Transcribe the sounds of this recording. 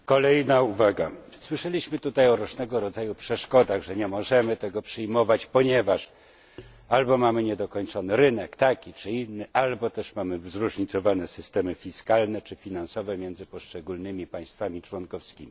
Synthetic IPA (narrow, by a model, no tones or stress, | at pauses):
kɔlɛjnauvaɡa | swɘʂɛlʲiɕmɘt̪ut̪ajɔɾuʐnɛɡɔɾɔd̪zajupʂɛʂkɔd̪aɣʐɛɲɛmɔʐɛmɘt̪ɛɡɔpʂɘjmɔvat͡ɕpɔɲɛvaʂ | albɔmamɘɲɛd̪ɔkɔɲt͡ʂɔnɘɾɘnɛkt̪akʲit͡ʂɘinːɘʔalbɔt̪ɛʂmamɘzɾuʐɲit̪sɔvanɛsɘst̪ɛmɘfʲiskalnɛt͡ʂɘfʲinansɔvɛmʲjɛndzɘpɔʂt͡ʂɛɡulnɘmʲipaj̃st̪famʲit͡ʂwɔnkɔfskʲimʲi